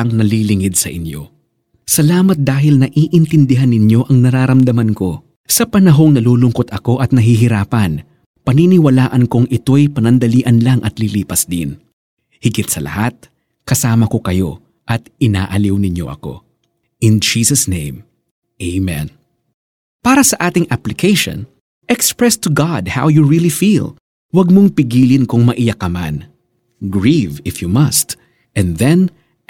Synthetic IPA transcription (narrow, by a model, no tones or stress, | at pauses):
ɐŋnɐliːlɪŋɪd̪̚sɐ̰ʔɪnjo̞̰ | sɐlaːmɐt̪̚d̪aːɦɪlnɐʔiːʔɪnt̪ɪnd̪ɪɦanːɪnjo̞ʔɐŋnɐɾaːɾɐmd̪ɐmɐnko̞ | sɐpɐnɐɦo̞ŋnɐluːlʊŋko̞t̪ɐko̞ʔɐt̪̚nɐɦiɦɪɾaːpɐn | pɐninɪwɐlaːʔɐnkoŋʔɪt̪o̞jpɐnɐnd̪ɐliːʔɐnlaŋʔɐt̪liliːpɐsd̪ɪn | hɪɡɪt̪̚sɐlʔɐ̰hat̪̚ | kɐsaːmɐko̞kɐjo̞̰ | ʔɐt̪ɪna̰ːʔɐliwnɪɲjo̞̰ʔɐ̰ko̞̰ | ʔɪnd͡ʒiːsɐsnẽj̃m | ʔeɪmɛ̰̃n | paːɾɐsɐʔaːt̪ɪŋʔaplɪkʰejʃõ̰n | ʔɛkspɹɛst̪ʊɡad̪̚ha̰wjuɹilifil | wɐɡ̚moŋpɪɡiːlɪnkʊŋmɐʔɪjɐkɐma̰n | ɡɹivɪfjumɐst̪ | ʔɛ̃nðɛ̃n